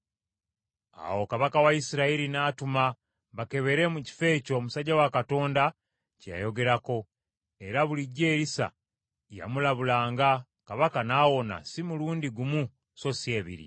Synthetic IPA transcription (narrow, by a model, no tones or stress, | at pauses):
a̰wo̞kaβakawaisiɾaiɾinaːtuma | βake̞βe̞ɾe̞muci̥fe̞ːco̞ːmusaɟawakato̞ːnda | ca̰jo̞ɡe̞ɾako̞ | e̞ɾaβuliɟːe̞ːɾisa̰ | ja̰mulaβulaːŋɡa | kaβakanaːwo̞na̰simuluːndiɡumu | so̞sije̞ːβḭɾḭ